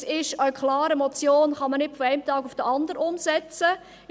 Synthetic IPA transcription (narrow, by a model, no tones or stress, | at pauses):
ɪʃəkʰlɑːɾəmɔt͡sjoːnχɑmənɪtfɔɛɪmtɑːɡʊfd̥əʔɑndəɾəʊmsɛt͡sə